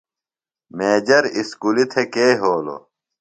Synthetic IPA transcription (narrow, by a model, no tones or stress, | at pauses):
meːd͡ʑɐɾiskulit̪ʰekeːɦoːlo̰